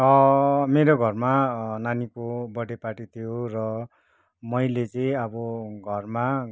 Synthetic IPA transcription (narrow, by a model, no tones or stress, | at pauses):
ʌmeɾoɡʱʌrmananikobʌɽepaʈit̪ʰijorʌ | mʌjlet͡sʌĩʌbʌɡʱʌrma